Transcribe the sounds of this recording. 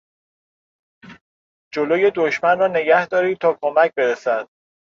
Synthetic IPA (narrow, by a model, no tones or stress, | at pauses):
d͡ʒoloːje̞d̪oʃmænrɒːne̞ɡæhd̪ɒːɾiːd̪̚t̪ʰɒːkʰomæc̚ʰbe̞ɾesæd̪̥